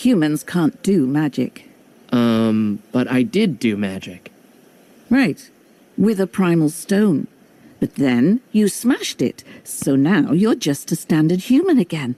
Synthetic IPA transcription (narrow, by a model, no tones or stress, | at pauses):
hjʉmɨ̃nz̥kʰæ̃nd̥ɨmæd͡ʒɪ̰k | ʔʌ̃mb̥ʌɾa̰ɪdɪdɨmæ̰d͡ʒɪk | ɹaɪt̚ | wɪðəpʰɹ̥ãɪ̃ml̩ˠstõʊ̃n | b̥ʌt̪̚ðɨ̃njɨsmæʃtɪ̰t̚soʊnaʊjə˞d͡ʒʌstʰɨstæ̃ndə˞d̚hjʉmɨ̃nɨɡɛ̃n